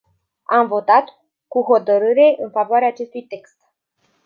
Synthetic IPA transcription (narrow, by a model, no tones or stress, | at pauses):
amvo̞t̪at̪ | kuɦo̞t̪əɾɨɾe̞ʔɨnfavoaɾeaːt͡ʃe̞st̪ujt̪e̞kst̪